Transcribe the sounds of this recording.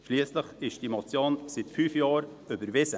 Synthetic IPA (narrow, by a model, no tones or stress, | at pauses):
ʃliəsləχɪʃd̥imɔt͡sjoːnsɪt̪fyːfjɑːɾ | ʏbəɾvɪsə